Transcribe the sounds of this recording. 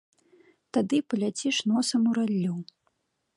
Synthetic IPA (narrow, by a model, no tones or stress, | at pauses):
t̪ad̪ɨpɐlʲat͡sʲiʂnɔsɐmuɾalʲːuw